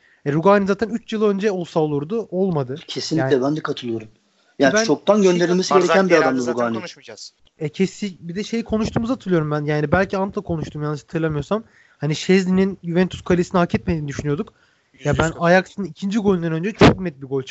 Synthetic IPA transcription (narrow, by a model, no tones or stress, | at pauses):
ɛɾuɡaːnʲizaːt̪ʰænyt͡ʃjɯlˠø̞nd͡ʒɛo̞lˠsaolˠuɾd̪uʔo̞lˠmad̪ɯcʰe̞sinlːc̪ːlʲɛbænd̪ɛkʰat̪ʰɯlˠɯjo̞ɾum | jaːnbænt͡ʃʰo̞k̚t̪ʰanɟønd̪e̞ɾilʲmesiɡeɾeænbiad̪amd̪aɾuɡaːni | ɛcʰɛsibid̪ɛʃe̞jikʰo̞nuʃt̪ʰuːmuzat̪ʰɯlˠɯjo̞ɾumbænjaːnibælʲcʰiant̪ʰlˠakʰo̞nuʃt̪ʰuːmjanːɯʃat̪ʰɯɾlˠamɯjo̞sam | haniʃɛzd̪ʲininjuvɛnt̪ʰu̥skʰalʲesinihacʰːɛt̪̚med̪iːnid̪yʃynyjo̞d̪uk | jabænajaksɯnnicʰind͡ʒiɡo̞lʲind̪anø̞nd͡ʒɛt͡ʃʰok̚nɛt̪̚biɡo̞lʲt͡ʃʰ